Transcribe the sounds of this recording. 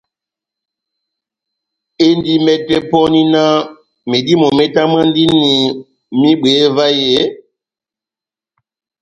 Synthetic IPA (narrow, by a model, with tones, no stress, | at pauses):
e˦ndi˦mɛ˦tɛ˦pɔ˦ni˦na˦ | me˨di˦mɔ˨mɛ˦ta˦mã˦ndi˦ni˨ | mi˦ɓe˨˦va˦je˦